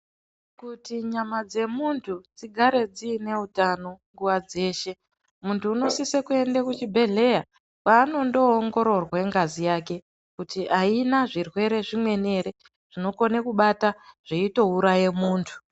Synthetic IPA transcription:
kutiɲamad͡ze̞muntʰud͡ziɡʱaɾe̞d͡ziːne̞utano̞ŋɡuwad͡ze̞ːʃe̞ | muntʰuːno̞sisekue̞ndakut͡ʃibʱe̞ɮe̞ja | kaːno̞ndo̞ːŋɡo̞ɾo̞rwe̞ŋɡazijaːke̞ | kutiʔainaʐirwe̞ɾe̞ʐimwe̞ne̞ɾe̞ | ʐ̥ino̞konekuɓataʐ̥iito̞uɾaje̞muːntʰu̥

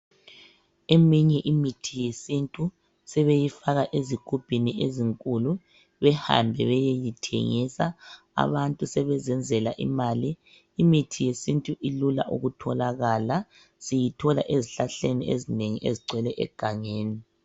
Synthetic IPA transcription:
emiɲɛʔimitʰijesintʼu | sɛβejifaɣaʔeziɡ̥ʱub̥ʱinieziŋkʼulu | βɛha̰mbʱɛβɛjejitʰḛŋisa | a̰βantʼusɛβɛzɛnd͡zʱɛlaʔḭmaːliː | mitʰijesintʼuʔilula̰ʔṵɣutʰɔlaɣala | sijitʰɔla̰ʔeziɬaɬeniezineŋiʔeziɡ͡ǀʱwɛlɛʔɛ̰ɡ̥ʱaŋeːni

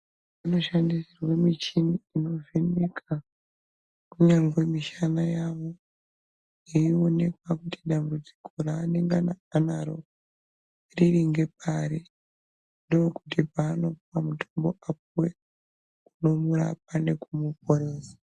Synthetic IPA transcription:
ano̞ʃandisirwe̞mit͡ʃiniino̞vinikʰa | kuɲaŋɡwe̞miʃanajaʋo̞ | iione̞kwakuti̥ɗambud͡zi̥kʰo̞ɾaːneŋɡanaːnaɾo̞̰ | ririŋɡe̞p̚aɾi | ndooku̥tipaːno̞puwamutʰombo̞ʔap̚uwe | kuno̞muɾa̰p̚ane̞kumup̚oɾeːzḁ

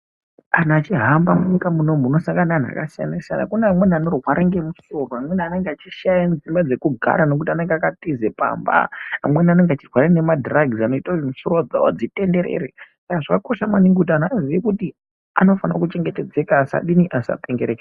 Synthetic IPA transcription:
an̤aːt͡ʃiɦambamuɲikamuno̞muno̞saŋɡanan̤a̰kasija̰nasija̰na̰kuneamwe̞nianorwaɾeŋɡe̞muso̞roamwe̞niane̞ŋɡeat͡ʃiʃajand͡zzimbad͡ze̞kuɡʱa̰ɾano̞k̬utiane̞ŋɡeakatize̞pa̰mba̰amwe̞nane̞ŋɡat͡ʃirwaɾene̞madraɡʱizano̞itoimusorod͡za̰wo̰d͡zite̞nde̞ɾḛɾesakaʐakako̞ʃamaniŋɡut̬anaːziʋekuti | ano̞fanakut͡ʃe̞ŋɡe̞te̞d͡ze̞kasa̰ɗiniʔasa̰peŋɡeɾeke

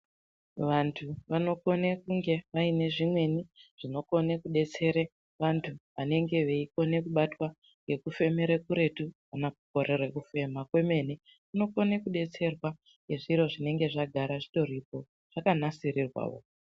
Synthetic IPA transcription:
ʋantʰuʋano̞ko̞nekuŋɡe̞ʋaine̞ʐimwe̞niʐ̥ino̞ko̞nekuɗe̞t͡se̞ɾe | ʋantʰuʋane̞ŋɡe̞ʋe̞iko̞ne̞kuɓatwa | ŋɡe̞kufe̞meɾekuɾe̞tu | anakuko̞ɾerekufe̞makwe̞me̞ne | kuno̞konekuɗe̞t͡se̞rwa | ɡe̞ʐiɾo̞ʐine̞ŋɡe̞ʐaɡʱaɾaʐito̞ɾipo̞ | ʐ̥akanasirirwa̰ːʋo̰

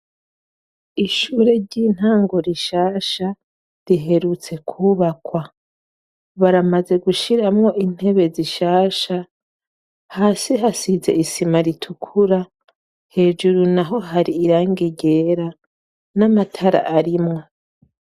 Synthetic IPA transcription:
iʃuɾe̞ɾɟiːn̥haːŋɡo̞ɾiʃaːʃa | ɾiɦe̞ɾut͡se̞kʰuːβakwa | βaɾamaze̞ɡuʃiɾamŋo̞ʔin̥e̞βe̞ziʃaːʃa | haːsiɦasize̞̰ʔisimaɾitʰukʰuɾa | he̞ːd͡ʒuɾunaɦo̞ɦaɾiːɾaːŋɡiɟe̞ːɾa | namatʰaɾa̰ʔaɾimŋo̞

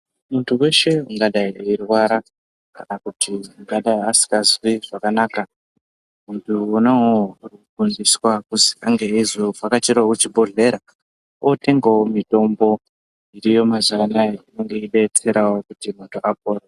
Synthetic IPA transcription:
muntʰuwe̞ʃe̞uŋɡaɗaiirwaɾa | kanakutʰiuŋɡaɗaiasi̥kazwiʐakanaːka | muntʰuunaoɡʱundiswakuziaŋɡeizovakat͡ʃiɾakut͡ʃibʱoɮe̞ɾa | ote̞ŋɡawomito̞mbo̞ | iɾijo̞mazanaino̞ŋɡe̞iɗe̞t͡se̞ɾawo̞kutimoto̞ʔap̚oːro

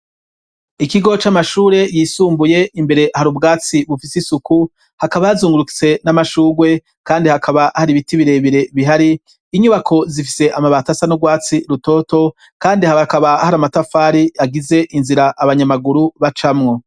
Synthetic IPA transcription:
ikiɡo̞t͡ʃamaʃuːɾe̞jiːsuːmbuje̞imbe̞ɾe̞ʔhaɾubɡaːt͡siβufisisuku | hakaβajazuːŋɡuɾuki̥t͡se̞namaʃuːɡwe̞ | kaːndihakʰaβahaɾiβitiβiɾe̞βiɾe̞βiɦaɾiː | ɲuβakʰo̞zifi̥se̞ʔamaβatasanoɡwaːt͡siɾuto̞ːto̞ | kaːndihaakaβahaɾamatafaːɾiaɡize̞ʔinziɾaʔaβaɲamaɡuɾuβat͡ʃamŋo̞

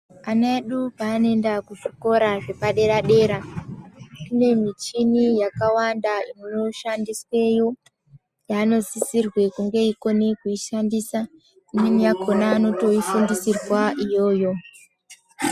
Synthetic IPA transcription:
anaeɗupaːnoe̞ndakuʐiko̞ɾaʐe̞paɗe̞ɾaɗe̞ːɾa | kine̞mit͡ʃinijakawandainuno̞ʃandiswe̞jo | jaːno̞zisirwe̞kuŋɡe̞iko̞nekuiʃandisa | ininijakʰo̞naːno̞to̞ifundisirwaʔijo̞ːjo̞

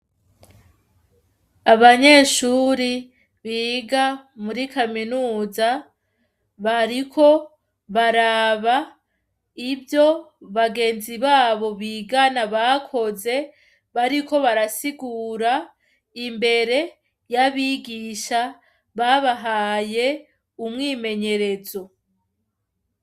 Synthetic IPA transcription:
aβaɲe̞ːʃuːɾi | βiːɡamuɾikaminuːza | βaɾikʰo̞ | βaɾaβa | ibjo̞βaɡe̞ːnziβaːβo̞βiːɡanaβakʰo̞ze̞ | βaɾikʰo̞βaɾasiɡuːɾa | imbe̞ɾe̞ | jaβiɡiʃa | βaβaɦaːje̞ | umŋiːme̞ɲe̞ɾe̞zo̞

